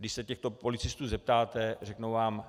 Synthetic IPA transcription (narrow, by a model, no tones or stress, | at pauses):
dɪʃsɛcɛxt̪o̞po̞lɪt͡sɪst̪uːzɛp̚t̪aːt̪ɛr̝ɛknowvaːm